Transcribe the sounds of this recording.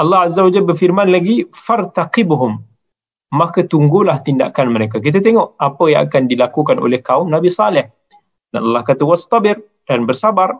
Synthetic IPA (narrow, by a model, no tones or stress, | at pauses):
ʔɑlːɑɦazawad͡ʒalbərfirmanlaɡifart̪aqɪbɦʊmː | akat̪uŋɡulaht̪inda̰kanməɾek̬ak̬it̪̬at̪eŋɔʔapəjã̰ŋa̰kandilakukano̰lɛhkaʊmnabisɑlɪh | danɑlːɑhkat̪awast̪ɑbɪr | d̥anbərsabar